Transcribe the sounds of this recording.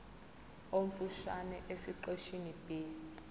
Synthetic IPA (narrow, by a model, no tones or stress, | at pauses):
oɱ̩fuʃanɛʔesiǃeʃinib̥i